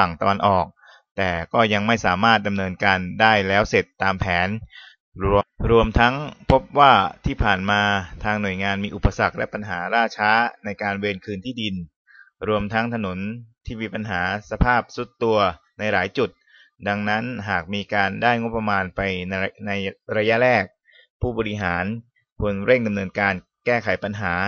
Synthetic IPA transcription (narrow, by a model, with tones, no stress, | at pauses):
fa˨˩ŋt̪a˧wa˧nʔɔː˨˩k̚ | t̪ɛː˨˩kɔː˥˩ja˧ŋma˥˩jsaː˩˦maː˥˩t̪̚da˧mnɤː˧nkaː˧ndaː˥˩jlɛː˦˥wse˨˩t̪ːaː˧mpʰɛː˩˦n | ɾu˧əmt̪ʰa˦˥ŋpʰo˦˥p̚waː˥˩t̪ʰiː˥˩pʰaː˨˩nmaː˧t̪ʰaː˧ŋnu˨˩əjŋaː˧nmiː˧ʔu˨˩pːa˧sa˨˩k̚lɛ˦˥pa˧nɦaː˩˦ɾaː˥˩t͡ɕʰaː˦˥na˧jkaː˧nweː˧nkʰɯː˧nt̪ʰiː˥˩di˧n | ɾu˧əmt̪ʰa˦˥ŋt̪ʰa˧no˩˦nt̪ʰiː˥˩miː˧pa˧nɦaː˩˦sa˧pʰaː˥˩p̚su˨˩t̪ːu˧ɐ | na˧jɾaː˩˦jt͡ɕu˨˩t̪̚ | da˧ŋna˦˥nɦaː˨˩k̚miː˧kaː˧ndaː˥˩jŋo˦˥pːɾa˧maː˧npa˧jna˧jɾa˧ja˦˥ʔɾɛː˥˩k̚ | pʰuː˥˩bɔː˧ɾi˦˥ɦaː˩˦n | pʰu˧nɾe˥˩ŋda˧mnɤː˧nkaː˧n | kɛː˥˩kʰa˩˦jpa˧nɦaː˩˦